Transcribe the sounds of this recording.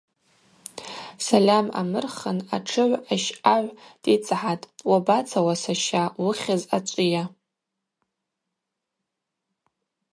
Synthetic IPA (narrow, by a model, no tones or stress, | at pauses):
salʲama̰mɨrχənaʈ͡ʂʰɨʕʷaʃaʕʷd̥ʼit͡sʼħatʼwabat͡sʰawasaʃawʊχʲazat͡ʃʷʼija